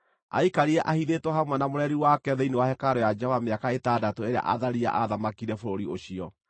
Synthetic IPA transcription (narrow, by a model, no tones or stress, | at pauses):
a̰ikaɾiɛʔahiðetwɔhamwɛnamoɾɛɾiwakɛðeinewahɛkaɾɔjad͡ʒɛvameakaetadatoeɾea̰ʔa̰ðaɾia̰ʔaðamakiɾɛfoɾoɾioɕiɔ